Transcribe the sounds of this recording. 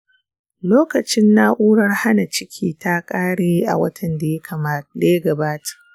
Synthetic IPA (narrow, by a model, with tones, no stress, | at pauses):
loː˦kɐ˨t͡ʃɪ˦nːa˦ʔuː˦ɽɐ˦rha˦na˨t͡ʃɪ˦kʲʰiː˦ta˦kʼaː˦ɽeː˦ʔa̰˨wɐ̰˦tʰɐ˨nda˨jɐ˦kʰa˨maː˦da˨jɐ˦ɡɐ˨baː˦tḁ˨ʔ